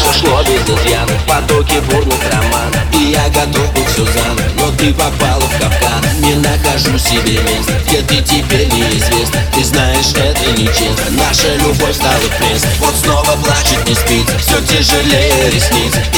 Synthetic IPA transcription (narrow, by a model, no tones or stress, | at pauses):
ʂlˠobʲɪzɪzjat̪pɐd̪okʲɪburɡ̪ɨxrɐman | ɪjaɡɐt̪obɨsʲʊzannot̪ɨpɐpalˠəfkafkannʲɪnɐxɐʐusʲɪbʲemʲesnəjətɪtʲɪbʲeɾʲnʲɪɪzvʲesnəɪznajɪʂɛt̪ənʲɪt͡ʃem | naʂəlʲʊbojst̪alˠɨplʲesvot̪snovəplˠat͡ɕɪt̪̚ʲnʲɪspʲitʲfsʲotʲɪʐɨlʲejəɾʲɪsʲmʲit͡sʲ